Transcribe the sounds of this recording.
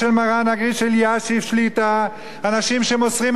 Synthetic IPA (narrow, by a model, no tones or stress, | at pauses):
elmaʁanaɡʁiʃeljaʃifʃlit̪a | anaʃimʃe̞mot͡sʁim